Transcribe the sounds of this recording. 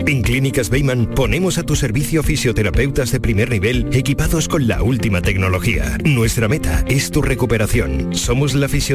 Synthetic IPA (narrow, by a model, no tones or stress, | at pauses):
eŋklinikazβejmãnponemosat̪useɾβiθjofisjot̪eɾapewt̪azðepɾimeɾniβ̞elekipaðoskõnla̰ult̪imat̪eknoloxia̰nwest̪ɾamet̪a̰est̪urekupeɾaθjonsomozlafisjo